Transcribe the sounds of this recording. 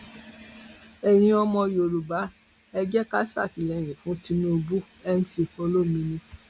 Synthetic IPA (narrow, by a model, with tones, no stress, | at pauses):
ɛ˨ɾ̃ĩ˧ɔ˧mɔ̃˧jo˨ɾu˨ba˨˦ | ɛ˧d͡ʒɛ˦ka˦sa̰˦˨ti˨˧lɛ˨˧˨ɾ̃ĩ˨fũ˨˦ti˧nũ˦o˧bu˦ | ɛ˦n̩˦ti˧ko˧lo˦mĩ˧nĩ˧